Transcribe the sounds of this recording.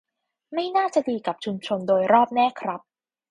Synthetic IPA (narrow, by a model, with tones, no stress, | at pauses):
ma˥˩jnaː˥˩t͡ɕa˨˩diː˧ka˨˩p̚t͡ɕʰu˧mt͡ɕʰo˧ndoː˧jɾɔː˥˩p̚nɛː˥˩kʰɾa˦˥p̚